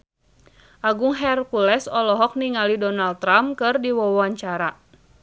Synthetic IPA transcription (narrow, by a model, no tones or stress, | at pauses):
ʔaɡʊŋɦɛrkulɛsɔlɔɦɔk̚niŋalidɔnal̚t̪ːɾamkɨrdiwɔwɔaɲt͡ʃaɾa